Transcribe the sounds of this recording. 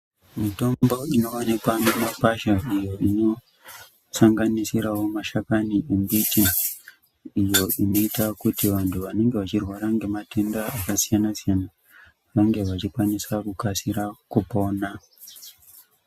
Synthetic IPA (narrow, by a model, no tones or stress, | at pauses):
mito̞mbo̞ino̞onekwanemapaʃaʔijo̞ino̞ | saŋɡanisiɾawo̞maʃakaniembitin | ijo̞ino̞itakutiʋantʰuʋane̞ŋɡe̞ʋat͡ʃirwaɾaŋɡe̞matendaakasijanasijana | ʋaŋɡe̞ʋat͡ʃikwanisakukasiɾakupo̞na